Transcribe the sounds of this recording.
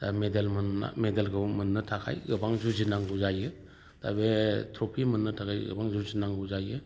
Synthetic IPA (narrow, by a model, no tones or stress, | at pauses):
damedelmna̰medelɡɯwmɐnːɐtʰakʰa̰jɡɯbaŋzuzinaŋɡuzajɯ | ta̰betʰɾopʰimɐnːɯtʰakʰajɡə̰baŋzuzinaŋɡuzajɯ